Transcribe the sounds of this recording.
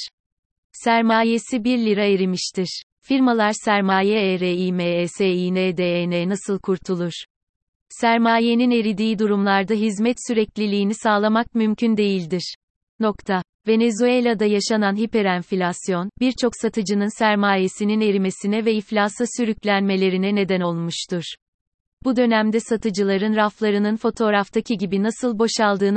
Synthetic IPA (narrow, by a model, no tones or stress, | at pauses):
sæɾmaːje̞sibiɾlʲiɾaeɾimiʃt̪ʰiɾ̥ | fiɾmalˠaɾsæɾmaːjɛɛɾeiːmeɛseiːnɛːd̪ɛenɛnasɯlˠkʰuɾt̪ʰulˠuɾ̥ | sæɾmaːje̞nine̞ɾid̪iːd̪uɾumlˠaɾd̪aɦizmɛt̪syɾɛclʲilʲiːnisaːlˠamak̚mymcʰynd̪e̞jilʲd̪iɾ̥ | no̞kt̪ʰa | ve̞ne̞zuelʲad̪ajaʃananɦipe̞ɾænfilʲasjo̞nbiɾt͡ʃʰo̞ksat̪ʰɯd͡ʒɯnɯnsæɾmaːje̞sinine̞ɾime̞sinɛvɛiflʲaːsasyɾyclʲænme̞lʲe̞ɾinɛne̞d̪æno̞lˠmuʃt̪ʰuɾ̥ | b̥ud̪ø̞næmd̪ɛsat̪ʰɯd͡ʒɯlˠaɾɯnɾaflˠaɾɯnɯnfo̞t̪ʰo̞ɾaft̪ʰacʰiɟibinasɯlˠbo̞ʃalˠd̪ɯːn